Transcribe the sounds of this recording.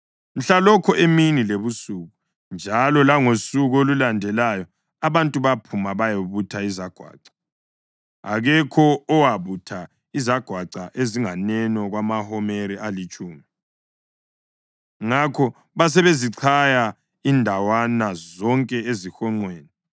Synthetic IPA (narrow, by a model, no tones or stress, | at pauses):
m̩ɬalɔkʰɔʔeminileβusuɣu | nd͡ʒʱalɔlaŋosuɣolulandʱɛlajɔ | aβantʼuβapʰumaβajoβutʰaizaɡ̥ʱwa̰ːǀḁ | a̰ɣɛkʰɔːwaβutʰa | izaɡ̥ʱwaǀaʔeziŋanɛnɔɣwamahɔmeɾiʔalit͡ʃʼuːmi | ŋakʰɔ | βas̬ɛβeziǀʰaja | indʱawanazɔŋkʼɛezixɔŋ͡ǀweːnɛ